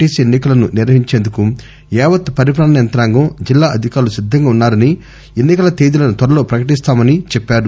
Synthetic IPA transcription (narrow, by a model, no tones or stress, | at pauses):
iːsenːikɐlɐnuniɾʋɐɦiɲt͡ʃe̞ːnd̪uku | ɛːʋɐt̪ːpɐɾipɾaːɳɐjɐnt̪ɾaːŋɡɐd͡ʒilːaːʔɐd̪ʱikaːɾlusid̪ʱːɐŋɡaːunːaːɾɐni | e̞nːikɐlɐt̪eːd̪ilɐnut̪ʋɐɾɐlo̞ːpɾɐkɐʈist̪aːmɐnit͡ʃɛpːaːɾu